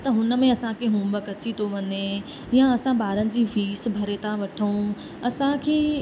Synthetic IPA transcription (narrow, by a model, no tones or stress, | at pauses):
t̪ɐɦʊnə̆mẽɐsãkʰeɦũːbəkɐt͡ɕit̪ʰoʋɐne | jãɐsãbaːɾənɪ̆d͡ʑiːfiːsbʱɐɾet̪ãʋɐʈʰũ | ɐsãkʰeː